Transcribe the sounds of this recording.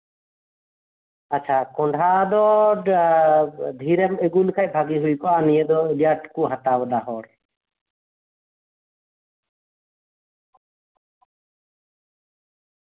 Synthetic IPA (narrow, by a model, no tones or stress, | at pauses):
aːt͡ʃʰakɔɳɖʱad̪ɔ | d̪ʱiɾɛmeɡulkʰac̚bʱaɡiɦujkɔʔanijəd̪ɔlijaʈkuʔɦat̪abəd̪aɦɔɾ